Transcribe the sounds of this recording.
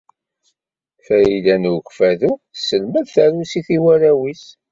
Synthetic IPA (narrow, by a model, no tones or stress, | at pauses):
θæjilænukfæðusəlmæðθæɾusiθiwæɾæwis